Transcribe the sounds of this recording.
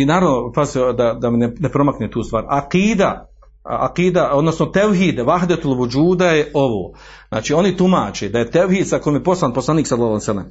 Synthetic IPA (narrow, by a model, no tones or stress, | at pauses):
inaːɾaʋnopazd̪ad̪amenenepɾo̞maknet̪uːst̪ʋa̰ːɾaqiːd̪a̰ | a̰qiːd̪ao̞d̪no̞snot̪ewɦiːd̪ʋaɦd̪et̪ulʋud͡ʒuːd̪ajeʔo̞ʋo̰ː | zna̰ːt͡ʃiːo̞nit̪umaːt͡ʃeːd̪aje̞t̪ewhiːd̪sako̞jomjepo̞slˠanposlaniːksalˠalasalem